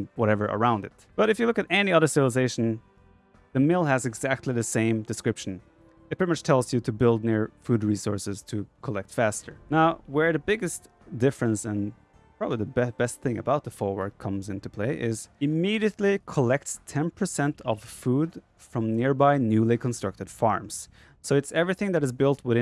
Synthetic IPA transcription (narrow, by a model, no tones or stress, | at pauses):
wʌɾɛvə˞ʔə̰˞ãʊ̃ndɨ̰t̚b̥ʌɾɨfjɨlʊkɨɾɛniʌðə˞sɪvl̩ˠəzeɪʃn̩ | ðɨmɪlˠɨzɨɡzæk̚tˡliðɨsẽɪ̃mdɨskɹ̥ɪpʃn̩ | ɪɨt̚pʰɹ̥ɪɾimʌt͡ʃtʰɛlˠzjɨɾɨbɪlˠdⁿnɪɹfud̚ɹisɔɹsɨz̥tʰɨkʰəlɛk̚tfæstə˞naʊwə˞ðɨbɪɡɨst | d̥ɪfɹə̃nsɨ̃n | pʰɹ̥ɑbəbliðəbɛbɛst̪̚θɪ̃ŋɨ̰baʊt̪̚ðəfɔɹwə̰˞d̚kʰʌ̃mzɪ̃ntupʰl̥eɪʔɪzɨmiɾiɨtˡlikʰəlɛk̚tstʰɛ̃npʰə˞sɛ̃ntʰʌv̥fud | fɹʌ̃mnɪɹbaɪnjʉlˠikʰə̃n̩stɹ̥ʌk̚tɨd̥fɑ̰ɹmz̥ | soʊɨtsɛvɹiθɪ̃ŋðɨɾɨzbɪlˠt̚wɨðɪ̃